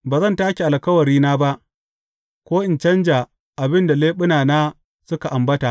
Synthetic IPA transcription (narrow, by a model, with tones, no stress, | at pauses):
baː˨zɐ˦˨ntaː˦kʲi˨ʔa˨lkɐ˦wɐ˨ɾiː˦naː˦ba˦ʔ | kʷoː˦ʔɪ˨nt͡ʃɐ˦nd͡ʒaː˨ | ʔa˨bɪ˦nda˨leː˦ɓʊ˦naː˨naː˦ | sʊ˦ka˨ʔa˨mbɐ˦ta˨ʔ